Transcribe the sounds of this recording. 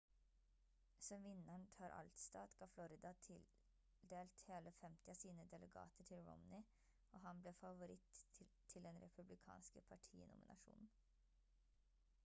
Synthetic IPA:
sɔmʋɪnːəɳt̪ʰɑːɾʔɑ̰lt̪st̪ɑːt̪ɡ̥ɑːflɔɾɪd̪ɑt̪ʰɪl | d̪eːlt̪heːləfɛmt̪ɪɑːsiːnəd̪ɛlʔɛɡɑ̰ːt̪əʈʰɪlɹɔ̰mnɪ | oːɦɑnbleːfɑʋʊɾɪt̪ʰː | ɪld̪ɛnɾɛpʰʉblɪkʰɑ̰ːnskəpʰɑʈʰḭːnʊ̰mɪ̰nʔɑ̰ʂṵːnn̩

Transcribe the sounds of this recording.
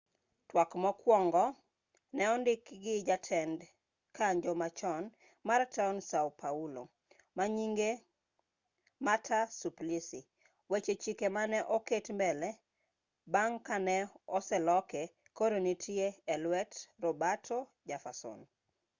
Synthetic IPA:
twakmɔkwɔŋɡɔ | nɛɔndɪkɡɪd͡ʒatʰɛnd | kaɲd͡ʒɔmat͡ʃɔn | martansawpʰaulo̰ | maɲiŋɡe | matʰasuplisi | wet͡ʃet͡ʃikemanɛʔoketmbɛlɛ | baŋkanɛɔsɛlɔkɛ | koɾonitʰieɛlwɛtrɔbatʰɔd͡ʒafasɔ̰n

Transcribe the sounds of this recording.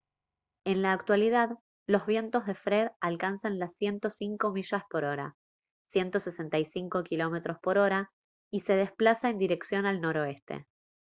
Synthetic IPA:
e̞nlaːkt̪walið̞að | lo̞zβ̞je̞nt̪o̞zðe̞fɾe̞ðalkansanlasːje̞nt̪o̞siŋko̞miʃaspo̞ɾo̞ɾa̰ | sjent̪o̞se̞se̞nt̪ajsiŋko̞kilo̞me̞t̪ɾo̞spo̞ɾo̞ɾa | ise̞ð̞esplasaend̪iɾe̞ksjo̞nalno̞ɾo̞e̞st̪e̞̰

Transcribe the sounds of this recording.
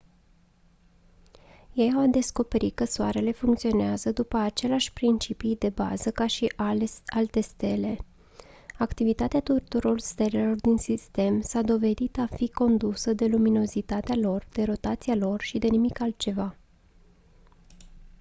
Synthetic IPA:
je̞jawd̪e̞sko̞peɾikəsoaɾe̞le̞fuŋk̚t̪sio̞neazəd̪upəat͡ʃe̞leaʃʲpɾint͡ʃipijd̪e̞ba̰zəkaʃiʔaalt̪e̞st̪e̞le̞ | akt̪ivit̪at̪eat̪ut̪uɾo̞lst̪e̞le̞lo̞rd̪insist̪e̞msad̪o̞ve̞d̪it̪afiko̞nd̪usəd̪e̞lumino̞zit̪at̪ealo̞rd̪e̞ɾo̞t̪at̪sialo̞rʃid̪e̞nimikalt̪̚t͡ʃe̞va

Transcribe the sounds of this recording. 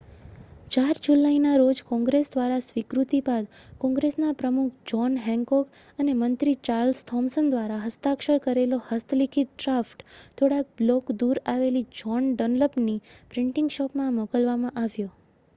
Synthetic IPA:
t͡ʃaɾd͡ʒulainaɾod͡ʒkɔ̃ŋɡɾesd̪ʋaɾasʋikɾut̪ibad̪kɔ̃ŋɡɾesnapɾəmukʰd͡ʒɔnɦɛŋkɔkənemənt̪ɾit͡ʃaɾlst̪ʰɔmsənd̪ʋaɾaɦəst̪akʃəɾkəɾelohəst̪ʰəlikʰit̪̚ɖɾafʈt̪ʰoɽak̚blokd̪uɾaʋelid͡ʒɔnɖɔnləpnipɾɪɳʈɪ̃ŋɡʃɔpmãmɔkəlʋamãʔaʋjo

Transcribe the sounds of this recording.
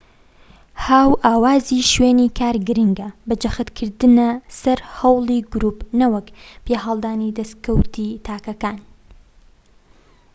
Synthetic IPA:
haːwʔaːwaːziʃweːniːkʰaːɾɡɨɾɨŋɡɐbɨd͡ʒɐxɨt̪kʰɨɾd̪ɨnɐsɐɾhɐwlˠiɡʊɾuːpnɐwɐkpʰeːɦɑlˠd̪aːnid̪ɐskɐwt̪ʰit̪ʰaːkɐkaːn

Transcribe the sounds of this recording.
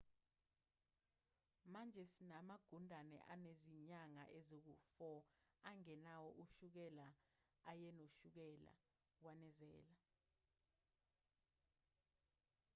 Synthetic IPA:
mand͡ʒʱɛsinamaɡ̥ʱundʱanɛ̰ʔaneziɲaŋa̰ʔɛzok̬ufɔaŋɛnawɔʔuʃuk̬ɛlaː | jɛnoʃuk̬ɛla̰ | wanɛzɛːla

